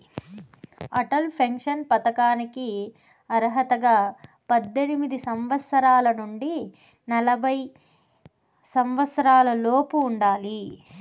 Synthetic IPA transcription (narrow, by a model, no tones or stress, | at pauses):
ɐʈɐlpʰɐŋkʂɐnpɐt̪ɐkaːniki | ɐɾɦɐt̪ɐɡaː | pɐd̪ːenimid̪isɐmʋɐt̪sɐɾaːlɐnuɳɖi | nɐlɐbʱɐj | sɐmʋɐt̪sɐɾaːlɐloːpuːɳɖaːli